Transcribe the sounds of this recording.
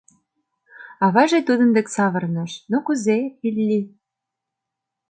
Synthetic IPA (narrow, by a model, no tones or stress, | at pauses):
ɑβɑʒet̪ud̪ə̆nd̪eksɑβɤ̆rnɤ̆ʃnokuzeilʲːi